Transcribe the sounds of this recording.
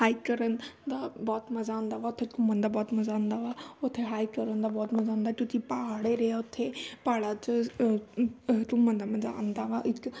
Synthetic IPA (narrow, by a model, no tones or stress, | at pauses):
haːikɐɾənd̪abɔːt̪mɐzaə̃nd̪aʋaʊt̪ʰːeʈʊmənd̪abɔːt̪mɐzaə̃nd̪aʋaʊt̪ʰːeɦaːikɐɾənd̪abɔːt̪mɐzãnd̪at̪ʊt̪ʰipaɦaɽeɾeaʊt̪ʰːepaːɽat͡ʃə | ʈumənd̪amɐza̰ə̃nd̪aʋaɪk